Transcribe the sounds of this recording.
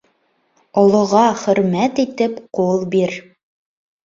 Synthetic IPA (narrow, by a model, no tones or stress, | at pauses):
ŏlˠŏʁɑχɵ̆ɾmæt̪it̪ɘpqulˠbiɾ